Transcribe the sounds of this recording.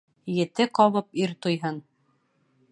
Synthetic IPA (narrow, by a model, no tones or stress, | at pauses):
jɘ̆t̪ɘqɒβɤpiɾt̪ujɦɤn